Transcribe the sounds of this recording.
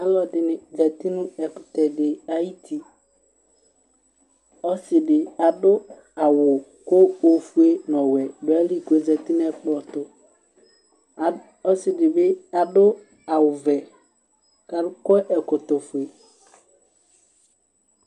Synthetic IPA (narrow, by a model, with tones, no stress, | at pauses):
a˦lɔ˨dɪ˨nɪ˨zɛ˨t̪i˦nʊ̃˦ɛ˨kʊ˨t̪ɛ˨dɪ˨a˨ji˦t̪ʰi˨ | ɔ˦sɪ˨dɪ˨a˨dʊ˦ | a˨wʊ˨ko˦o˨fu˦e˦nɔ̃˨wɛ˨dʊ˨ɛ˦li˦˨ke˨zɛ˨t̪i˦nʊ˦ɛ˦k͡pɔ˨t̪ʊ˨ | ɔ˦sɪ˨dɪ˨be˦a˨dʊ˦ | a˨wʊ˨vɛ˨ | ka˨dʊ˦kɔ˦ʔɛ˨kʊ˨t̪ʊ˨fʊ˨e˨